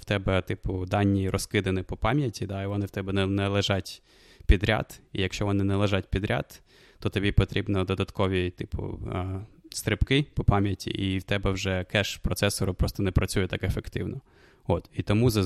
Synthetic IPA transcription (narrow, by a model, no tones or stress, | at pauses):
wt̪ɛbɛt̪ɪpʊd̪ɑnʲːirʔɔskɪd̪enɪpɔpɑmʲjɐtʲid̪ɑiʋɔnɪwt̪ɛbɛnɛnɛlˠeʒɑtʲ | pʲid̪ɾʲa̰d̪ijɐkʃt͡ʃɔʋɔnɪnɛlˠeʒɑt̚ʲpʲid̪ɾʲa̰t̪ː | ɔt̪ɔbʲipɔt̪ɾʲibnɔd̪ɔd̪ɐt̪kɔʋʲit̪ɪpʊ̰ | st̪ɾɪpkɪpɔpɑmʲjɐtʲḭʔiwt̪ɛbɛwʒɛkɛʃpɾɔt̪sɛsɔɾʊpɾɔst̪ɔnɛpɾɐt͡sʲujɛt̪ɑkefekt̪ɪwnɔ | ot̪it̪ɔmuzɐ